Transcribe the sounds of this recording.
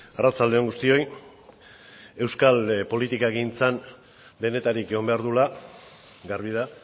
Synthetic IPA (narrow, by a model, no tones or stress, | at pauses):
arat͡sald̪e̞o̞ŋɡust̪io̞j | e̞wskalpo̞lit̪ikaeɣint͡san | be̞ne̞t̪aɾikeɣo̞mbe̞aɾðula | ɡarβiða